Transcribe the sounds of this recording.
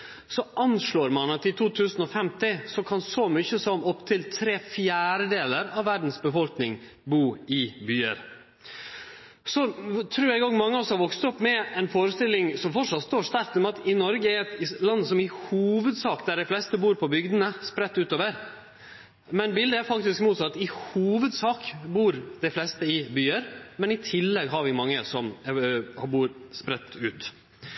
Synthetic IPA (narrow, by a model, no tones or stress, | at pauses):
sɔʔɑnʂɭoːɾmɑnɑt̪ɪt̪ʰuːt̪ʰʉːsnɔfɛmt̪ɪsɔkʰɑnsɔmʏçəsɔmʔɔpt̪ʰɪlt̪ʰɾeːfjæːɾəd̪eːləɾɑʋːæɖn̩sbəfɔlknɪŋ | buːɪbyːə̰ɾ | sɔt̪ʰɾʉːɾɛɡoːɡmɑŋːəɔsɔhɑɾʋɔkst̪ɔpːmɛɛnfoːɾəst̪ɪlːɪŋsɔmfɔʂɑt̪st̪oːʂt̪ɑɾk̚t̪ɔmɑt̪ɪnɔɾɡəɛɾɛt̪lɑnːəsɔmɪhuːʋəd̪sɑːkd̪æɖæɪflɛst̪əbuːɾpʰɔbʏɡd̪ənəspɾɛt̪ːʉːt̪oːʋəɾ | mɛnbɪld̪əæɾfɑk̚t̪ɪskmuːt̪sɑt̪ːɪhuːʋəd̪sɑːkbuːɾd̪̥ɛflɛst̪əɪbyːəɾmɛnɪt̪ʰɪlːɛɡɦɑɾʋɪmɑŋːəsɔm | buːɾspɾɛt̪ːʉːt̪